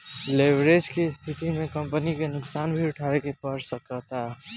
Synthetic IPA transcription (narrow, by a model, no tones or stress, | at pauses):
lebɾed͡ʒkest̪ʰit̪imekəmpənikenʊksanbʱiuʈʰabekepəɾsəkət̪a